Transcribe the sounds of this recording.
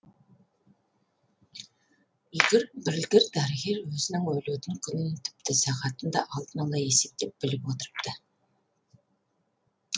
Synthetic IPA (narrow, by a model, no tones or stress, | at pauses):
ɵɡʲɪɾbɪɾlɡʲɪɾd̪æɾɡʲe̞ɾwɵzɪnɪŋwɵlet̪ɪŋkʲʰʏnɪnent̪ʰʏ̥p̚t̪ɪsɑʁɑt̪ənd̪ɑʔɑlˠd̪ənɑlˠɑje̞se̞p̚t̪e̞p̚b̥ɪlɪpwot̪əɾəp̚t̪ə